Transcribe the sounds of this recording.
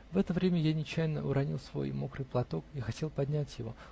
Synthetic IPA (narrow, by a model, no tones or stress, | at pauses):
vɛt̪əvɾʲemʲəjanʲɪt͡ɕːæjɪnəʊɾɐnʲilˠsvo̞̰jmokɾɨjplˠɐt̪o̞kixɐtʲe̞lˠpɐd̪ʲnʲætʲjɪvo̞̰